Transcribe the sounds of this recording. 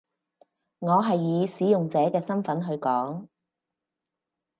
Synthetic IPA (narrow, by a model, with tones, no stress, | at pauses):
ŋɔː˨˧ɦɐ˨jːiː˨˧siː˨˥jʊ˨ŋt͡sɛː˨˥kɛː˧sɐ˥nfɐ˨˥nɦɵ˧ɥkɔː˨˥ŋ